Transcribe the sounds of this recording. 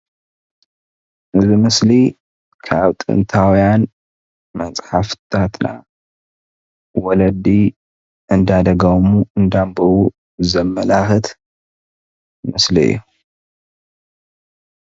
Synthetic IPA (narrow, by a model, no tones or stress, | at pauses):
ʔɨzimɨsli | kʰaβt̪ʼɨ̰nt̪ʰawjan | mɐt͡sʼħaft̪ʰat̪na̰ | wɔlɐd̪i | ʔɨnd̪ad̪ɐɡɐmuɨnd̪ambɐwu | zɐmːɐlaxɨt̪ʰ | mɨsliɨ̰jːu